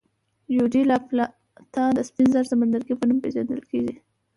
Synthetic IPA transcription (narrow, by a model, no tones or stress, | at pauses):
judilɑpl | t̪ɑd̪əspinzaɾsamand̪aɾɡipənumpeʒa̰nd̪ə̰lkeɡi